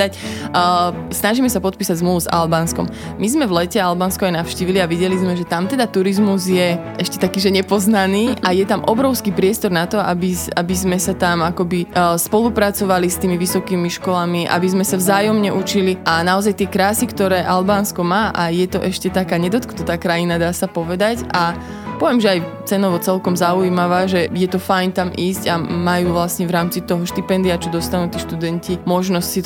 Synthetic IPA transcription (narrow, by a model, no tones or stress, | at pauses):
acː | snaʒiːmɛsapɔt̪piːsaɟzmluʋuza̰lbanskɔ̰m | mizmɛvlɛcɛalbanskɔajnaʊʃciːʋiliaʋiɟɛlizmɛʒɛt̪amt̪ɛd̪at̪uɾizmuzjɛʔɛʃcɛ̥t̪akiːʒɛɲɛpɔznaniːʔajɛt̪amʔɔbɾɔʊskiːpɾɪɛst̪ɔɾnat̪ɔa̰biabizmɛsat̪amakɔbispɔlupɾat͡sɔʋalist̪iːmiʋisɔkiːmiʃkɔlamiʔa̰bizmɛsavzaːjɔmɲɛʔut͡ʃiliʔanaɔzajt̪ɪɛkɾaːsikt̪ɔɾɛːʔalbaːnskɔmaːʔajɛt̪ɔʔɛʃcɛt̪akaːɲɛd̪ɔt̪kt̪ɔt̪aːkɾajinad̪aːsapɔʋɛd̪acʔa | pɔʋɛmʒɛaj | t͡sɛnɔʋɔt͡sɛlkɔmzauimaʋaːʒɛjɛt̪ɔfajnt̪amʔiːscamajuːʋlasɲɛʋɾaːmt͡sit̪ɔɦɔʃt̪ipɛnd̪iat͡ʃɔd̪ɔst̪anuːt̪iːʃt̪ud̪ɛncimɔʒnɔscsi